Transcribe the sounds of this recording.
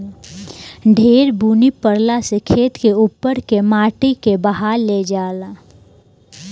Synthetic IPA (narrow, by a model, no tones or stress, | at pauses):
ɖʱeːɾbuːnipəɾlasekʰeːt̪keuːpːəɾkemaːʈikebəɦaːɾled͡ʒaːla